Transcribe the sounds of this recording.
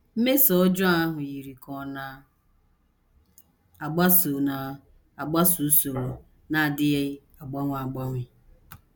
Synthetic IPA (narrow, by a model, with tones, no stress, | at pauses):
m̩˦me˦sɔ˦d͡ʒʊ˦a˦ɦʊ˨ji˨ɾi˨kʰɔ˨na˨ | a˨ɡ͡ba˦so˨na˨ | a˨ɡ͡ba˦su˨˦so˨ɾo˨ | na˨dɪ˦je˦ | a˨ɡ͡ba˦ŋʷa˨ɡ͡ba˦ŋʷɪ˦